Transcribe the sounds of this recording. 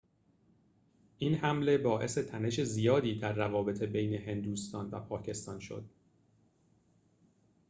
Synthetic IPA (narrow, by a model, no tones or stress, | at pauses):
ʔinhæmle̞bɒːʔe̞se̞t̪ʰæne̞ʃe̞zijɒːd̪iːd̪æɾːævɒːbe̞t̪ʰe̞bejneɦe̞nd̪uːst̪ɒːnvæ̰pʰɒːcʰe̞st̪ɒ̰ːnʃo̞̰d̪̥